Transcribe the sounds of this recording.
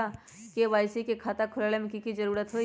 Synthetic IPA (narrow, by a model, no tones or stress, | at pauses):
a | keʋaːjsikekʰaːt̪akʰʊlaːlemẽkikid͡ʒɐɾuːɾət̪ɦoː